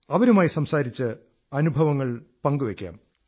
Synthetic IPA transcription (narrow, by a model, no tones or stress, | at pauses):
ɐʋɐɾumaːjisɐmsaːɾit͡ɕːɨ | ɐnubʱɐʋɐŋːɐɭpɐŋɡuʋekʲːa̰ːm